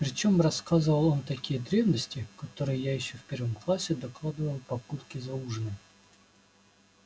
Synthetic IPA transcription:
pɾʲɪt͡ɕo̞mrɐskazɨvəlˠo̞nt̪ɐkʲijəd̪ɾʲe̞vnəsʲtʲɪkɐt̪o̞ɾɨjəjajɪɕːofpʲervəmklˠasʲːɪd̪ɐklˠad̪ɨvəlˠpɐput̪kʲɪzɐuʐnɨj

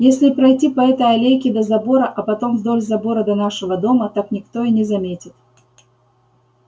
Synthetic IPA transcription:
jesʲlʲɪpɾɐjtʲipɐɛt̪əjɐlʲejkʲɪd̪ɐzɐboɾɐʔɐpɐt̪omvd̪o̞lʲzɐbo̞ɾəd̪ɐnaʂɨvəd̪o̞mət̪aknʲɪkt̪o̞inʲɪzɐmʲetʲɪt̪

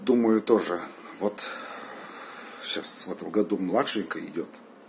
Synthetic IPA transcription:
d̪uməjʊt̪o̞ʐɨvot̪ | ɕasvɛt̪əmɡɐd̪umlˠatʂɨnʲkəɪ̰dʲo̞t̪

